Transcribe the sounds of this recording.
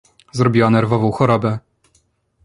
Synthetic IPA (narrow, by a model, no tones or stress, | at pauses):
zɾɔbʲiwanɛɾvɔvɔ̃w̃xɔɾɔbɛ